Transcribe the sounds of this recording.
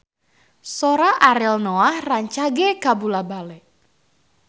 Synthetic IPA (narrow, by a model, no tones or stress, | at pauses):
soɾaʔaɾɪlnoahraɲt͡ʃaɡekabulabalɛʔ